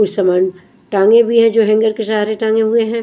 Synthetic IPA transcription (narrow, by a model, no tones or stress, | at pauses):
ʊsɐmaːn | ʈãːŋɡẽbʱiɦɛ̃d͡ʒoːɦɛ̃ŋɡəɾkesaːɾeʈãːŋɡẽɦueɦɛ̃ː